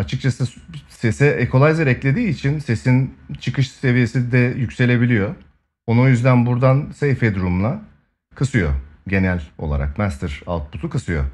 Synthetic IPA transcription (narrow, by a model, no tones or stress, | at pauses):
at͡ʃʰɯk̚t͡ʃʰasɯse̞sɛʔekʰo̞lˠajziɾɛclʲe̞d̪iːt͡ʃʰinse̞sint͡ʃʰɯkɯʃse̞vije̞sid̪ɛjycʲse̞lʲe̞bilʲijo̞ | onojyzd̪ænbuɾd̪ansejfed̪uɾumlˠa | kʰɯsɯjo̞̰ɟe̞nælʲo̞lˠa̰ɾa̰k̚mæst̪ɾ̥a̰lˠt̪̚but̪ʰukɯsɯjo̞̰